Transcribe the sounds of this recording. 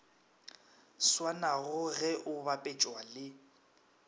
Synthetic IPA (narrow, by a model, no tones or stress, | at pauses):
swanaɣʊɣɛʔʊbapʼɛt͡ʃʼwalɪ